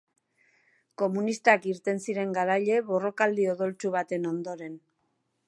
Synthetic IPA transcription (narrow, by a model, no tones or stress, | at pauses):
ko̞munist̪akiɾt̪e̞nsiɾe̞ŋɡaɾaʎe̞βo̞ro̞kald̪ioðo̞lt͡suβ̞at̪e̞no̞nd̪o̞ɾe̞n